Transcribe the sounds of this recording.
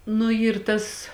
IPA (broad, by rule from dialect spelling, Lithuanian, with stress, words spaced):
nʊ ˈiːr ˈtɐs